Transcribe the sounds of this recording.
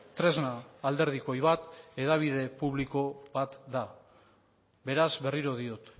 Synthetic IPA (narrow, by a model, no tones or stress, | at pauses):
t̪ɾe̞znaːld̪e̞ɾð̞iko̞jβat̪e̞ðaβ̞ið̞e̞puβliko̞βat̪d̪a | be̞ɾazβe̞riɾo̞ð̞io̞t̪